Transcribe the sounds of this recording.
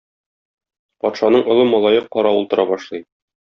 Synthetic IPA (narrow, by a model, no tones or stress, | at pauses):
pɒt̪ʃɑnɤɴŏlˠɤmɒlˠɑjɤqːɒɾɑulˠt̪ɤ̆ɾɑbɒʃlˠɤj